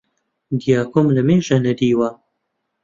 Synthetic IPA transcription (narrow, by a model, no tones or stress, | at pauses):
d̪ijaːkʰomlɐmeːʒɐnɐd̪iːwa